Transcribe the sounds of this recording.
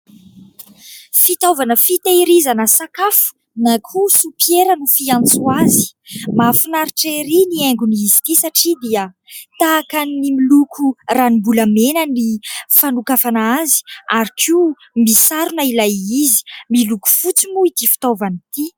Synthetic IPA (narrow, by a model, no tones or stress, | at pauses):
fit̪ovanəfit̪aɾizanəsakafu̥ | nakʰusupjeɾənufiãnt͡suazi̥mafinaɾiʈ͡ʂeɾiniɛŋɡuniːzi̥t̪isaʈ͡ʂid̪iə | t̪aːkannimilukʰuranimbulamenənifanukafanazi̥aɾikʰi | misaɾunailajizi̥miluku̥fut͡simuit̪ifi̥t̪ovanit̪i